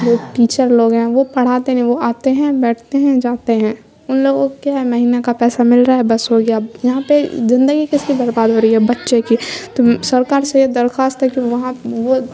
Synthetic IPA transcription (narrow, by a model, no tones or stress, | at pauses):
d͡ʒoːʈiːt͡ʃəɾloːɡɦɛ̃ʋopɐɽ̤aːt̪eɦɛ̃ʋoaːt̪eɦɛ̃bɛːʈʰt̪eɦɛ̃d͡ʒaːt̪eɦɛ̃ː | ʊnloːɡokjaɦɛmɐɦiːnekapɛːsamɪlɾaːɦɛbɐsɦoːɡjajɐɦãpezɪ̃nd̪əɡikɪskibɐɾbaːd̪ɦoːɾəiɦɛbɐtːʃekit̪osɐɾkaːɾsejed̪ɐɾxaːst̪ɦɛkiʋɐɦãʋo